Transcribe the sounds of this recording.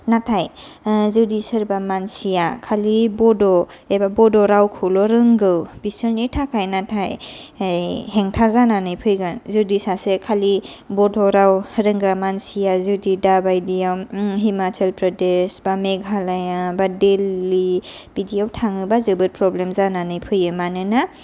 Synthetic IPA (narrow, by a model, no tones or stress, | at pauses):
natʰajzudisɯɾbamansijakʰalibɔdɔ | ebabɔdɔɾawkʰɯlɔɾɯŋɡɯwbisɯlnitʰakʰajnatʰajjɦeŋtʰazananɯjpʰɯjɡanzudisasekʰali | bɔdɔɾawɾɯŋɡɾamansijazudidabajdijawɦimat͡ʃalpɾɔdesbameɡʱalajabadelːi | b̥idijawtʰaŋɯbazɯbɯtpɾɔblemzananɯjpʰɯjɯmanɯna